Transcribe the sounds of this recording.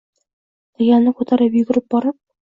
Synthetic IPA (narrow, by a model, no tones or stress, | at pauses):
t̪æjɑlnɤqut̪ɑɾɤpjɵɡɘ̆ɾɘp̚bɒɾɤp̚